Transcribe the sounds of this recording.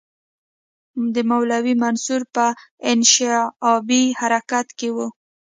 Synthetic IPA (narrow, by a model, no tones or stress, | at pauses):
d̪əmawlawimansuɾpəɪnʃɪɑbihaɾakat̪kewu